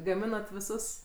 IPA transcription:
ɡɐˈmʲɪnɐt ʋʲɪˈsʊs

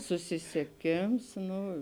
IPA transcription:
sʊsʲɪsʲiɛˈkʲeːms ˈnʊ

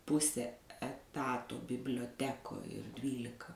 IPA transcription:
ˈpʊsʲɛ ɛˈtɑːtoː bʲɪbʲlʲoːˈtʲæːkoːj ɪr ˈdʲʋʲiːlʲɪkɐ

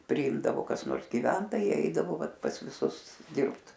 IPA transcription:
pʲrʲɪˈɪmdɐʋoː kɐs ˈnoːrs ɡʲɪˈʋʲɛntoːjɛɪ ˈɛɪdɐʋoː ˈʋɐt pɐs ʋʲɪˈsʊs ˈdʲɪrpt

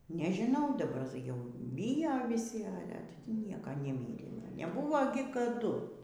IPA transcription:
nʲɛʒʲɪˈnɐʊ dɐˈbɐr jɛʊ ˈbʲɪjoː ʋʲɪˈsʲɪ ˈɑːlʲɛ ˈnʲiɛkɐ nʲɛˈmʲiːrʲeː nʲɛˈbʊʋoː ɡʲɪ kɐˈdʊ

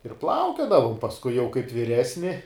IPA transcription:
ɪr ˈplˠɐʊkʲoːdɐʋʊm pɐsˈkʊɪ jɛʊ kɐɪp ʋʲɪˈrʲæːsʲnʲɪ

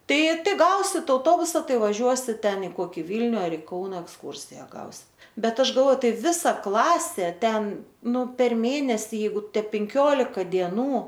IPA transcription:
ˈtɐɪ ˈtɐɪ ˈɡɐʊsʲɪt ɐʊˈtoːbʊsɐ ˈtɐɪ ʋɐˈʒʲuɔsʲɪt ˈtʲɛn ɪ ˈkoːkʲɪ ˈʋʲiːlʲnʲʊ ˈɐr ɪ ˈkɐʊnɐ ɛksˈkuːrʲsʲɪjɛ ˈɡɐʊsʲɪt ˈbʲɛt ˈɐʃ ɡɐlˠˈʋoːjʊ ˈtɐɪ ˈʋʲɪsɐ ˈklˠɑːsʲeː ˈtʲɛn ˈnʊ pʲɛr ˈmʲeːnʲɛsʲiː ˈjɛɪɡʊ ˈtʲɛ pʲɛŋʲˈkʲoːlʲɪkɐ dʲiɛˈnuː

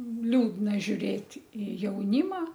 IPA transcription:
ˈlʲuːdnɐ ʒʲʊˈrʲeːtʲ ɪ jɛʊˈnʲiːmɐ

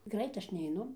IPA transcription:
ˈɡrɐɪt ˈɐʃ nʲɛɪˈnʊ

